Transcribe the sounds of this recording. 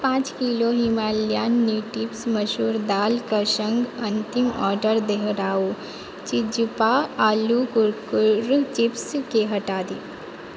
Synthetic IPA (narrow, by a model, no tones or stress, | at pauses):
pãːt͡ʃkiːloɦimaːljaːnːiʈɪpsmɐʃuːɾd̪aːlkɐʃə̃ŋɡɐ̃nt̪ɪmɔːɾɖəɾd̪eɦɾaːu | t͡ʃɪd͡ʒpaaːlukʊɾkʊɾt͡ʃɪpskeɦɐʈaːd̪iː